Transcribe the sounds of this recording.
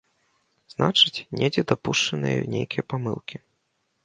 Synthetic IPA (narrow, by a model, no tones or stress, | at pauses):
znat͡ʂɨt͡sʲnʲed͡zʲɛd̪apuʂt͡ʂɐnɨjɛ̰nʲḛjkʲijɐpamɨ̰lˠkʲi